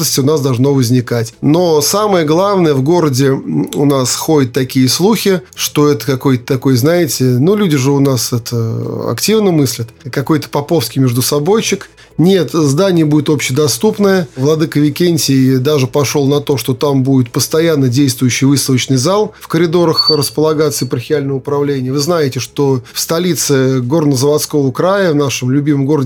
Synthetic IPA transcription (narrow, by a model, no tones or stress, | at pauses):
əsʲtʲɪʊnasd̪ɐlˠʐnovəzʲnʲɪkatʲno̞saməjəɡlˠavnəjəvɡo̞ɾədʲɪʊnasxodʲɪt̪ːɐkʲijəslˠuxʲɪʂt̪o̞ɛt̪ə̥kɐko̞jt̪ə̥t̪ɐko̞jznaɪtʲɪnulʲudʲɪʐɨʊnasɛt̪əɐ̰ktʲivnəmɨsʲlʲət̪kɐko̞jt̪ə̥pɐpo̞fskʲɪjmʲɪʐd̪ʊsɐbo̞jt͡ɕːɪk | nʲe̞t̪zd̪anʲɪjəbudʲɪt̪o̞pɕːɪd̪ɐst̪upnəjəvlˠɐd̪ɨkəvʲɪkʲenʲtʲɪjd̪aʐɨpɐʂolˠnɐt̪o̞ʂt̪o̞t̪ambudʲɪt̪pəst̪ɐjanːədʲejst̪vʊjʉɕːɪjvɨst̪əvət͡ɕnɨjzalˠfkəɾʲɪd̪o̞ɾəxrəspəlˠɐɡat̪sɨɪpərxʲɪalʲnəvəʊpɾɐvlʲenʲɪjəvɨznajɪtʲɪʂt̪o̞fst̪ɐlʲit̪sɨɡo̞rnəzəvɐt̪sko̞vəkɾajəvnaʂɨmlʲʉbʲiməmɡo̞rədʲ